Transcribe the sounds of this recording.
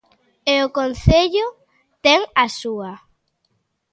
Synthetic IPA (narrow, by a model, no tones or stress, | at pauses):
eʊkon̟θeʎʊ | t̪ɛŋasua